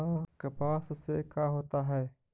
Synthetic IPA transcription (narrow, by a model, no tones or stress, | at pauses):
kɐpaːsseːkaːɦoːt̪aɦɛː